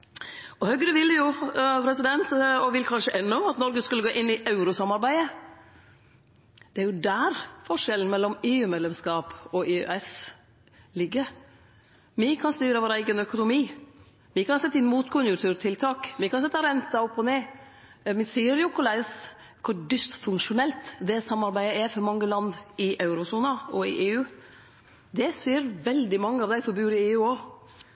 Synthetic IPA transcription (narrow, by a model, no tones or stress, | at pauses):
ɔhœɡɾəʋɪlːjʊpʰɾɛsɪd̪ɛnt̪ɔʋɪlkʰɑnʂəʔɛnːʊɑt̪nɔɾɡəskʉlːəɡoːʔɪnːɪʔɑʉɾʊsɑmɑɾbæɪə | d̪̥ɛæɾjʊd̪æːɾfɔʂɛlən̩mɛlːɔmeːʉːmɛd̪lɛmskɑːpɔʔeːø̰ɛs | lɪɡːə | ʋɪkʰɑnst̪yːɾəʋoːɾæɪɡənœkʊnʊmiː | ʋɪkɑnsɛt̪ːɪnmuːt̪kʰʊnjʊt̪ʰʉːɾt̪ʰɪlt̪ʰɑːkʋɪkʰɑnsɛt̪ːɑɾɛnt̪ɑɔpːɔneː | mɪsiːəɾjʊkʊlæɪs | kʰʊɾɖʏst̪fʉŋkʂʊnɛlt̪d̪ɛsɑmːɑɾbæɪəɛfɔɾmɑŋːəlɑnd̪ɪʔɑʉɾʊsuːnəɔɪʔeːʉː | d̪ɛsiːəɾʋɛld̪ɪmɑŋːəɑʋd̪æɪsɔmbʉːɾɪeːʉːɔ